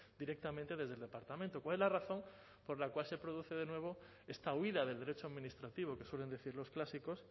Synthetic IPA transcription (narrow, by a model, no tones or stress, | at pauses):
d̪iɾe̞k̚t̪amẽnt̪e̞ðe̞zðeld̪e̞paɾt̪amẽnt̪o̞kwale̞zlaraθo̞m | po̞ɾlakwalsepɾo̞ð̞uθe̞ðe̞nwe̞β̞o̞ | e̞st̪auiðað̞e̞ld̪e̞ɾet͡ʃoaðmĩnist̪ɾat̪iβ̞o̞ke̞swe̞le̞nd̪e̞θiɾlo̞sklasiko̞s